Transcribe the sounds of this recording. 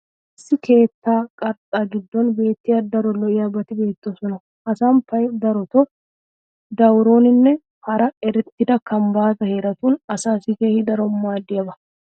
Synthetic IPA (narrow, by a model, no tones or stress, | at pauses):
ɪsːɪke̞ːt̪ːaːkʼɐɾt̪ʼaːɡɪd̪ːɔnbe̞ːt̪ːɪjaːd̪ɐɾɔlɔʔɪjabɐt̪ɪbe̞ːt̪ːosɔnɐ | ʔɐsaːmpɐjd̪ɐɾɔt̪ɔ | d̪ɐwɾo̞ːnɪnːɛ | hɐɾɐɛɾɛt̪ːɪd̪ɐkɐmbaːt̪ɐhe̞ːɾɐt̪uːnɐsaːsɪke̞ːhɪd̪ɐɾɔmːaːd̪ːɪjɐbɐ